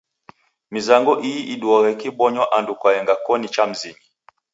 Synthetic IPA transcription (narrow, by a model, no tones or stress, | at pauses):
mizaŋɡɔʔiiʔiduɔɣɛkibɔɲɔʔandukwajɛŋɡakɔnit͡ʃam̩zimi